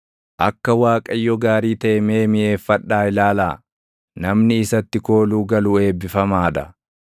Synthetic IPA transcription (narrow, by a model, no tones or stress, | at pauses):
ʔɐkːɐwaːkʼɐjːɔɡaːɾiːt̪ɐʔɪmeːmɪʔe̞ːfːɐᶑːaːɪlaːlaː | nɐmnɪɪsɐt̪ːɪko̞ːluːɡɐluːe̞ːbːɪfɐmaːᶑɐ